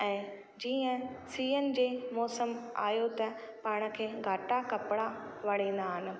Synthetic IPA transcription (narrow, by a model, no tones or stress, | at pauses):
ɛ̃ː | d͡ʑiːə̃siːənɪ̆d͡ʑeːmɔːsəma̰ːjot̪ɐ | pãːɽ̃ə̆kʰeːɡʱaːʈakɐpɪɽaʋɐɽ̤ẽːn̆d̪aɦɪnɪ̆